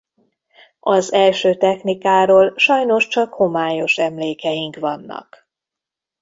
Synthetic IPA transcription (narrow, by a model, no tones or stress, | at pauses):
ɒzɛlʃøːt̪ɛxnikaːɾoːlʃɒjno̞ʃt͡ʃɒkho̞maːjo̞ʃɛmleːkɛjiŋkʋɒnːɒ̰k